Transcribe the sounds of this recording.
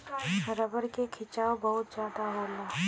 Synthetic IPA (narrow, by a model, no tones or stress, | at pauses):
ɾəbəɾkekʰɪt͡ʃaːobɐɦʊt̪̚d͡ʒjaːd̪aɦoːlaː